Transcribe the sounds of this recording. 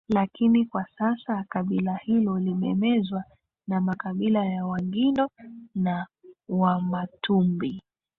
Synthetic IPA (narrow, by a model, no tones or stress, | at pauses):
lakinikwasasakaɓilahilɔlimɛmɛzwa | namakaɓilajawaŋɡindɔnawamatʰumbi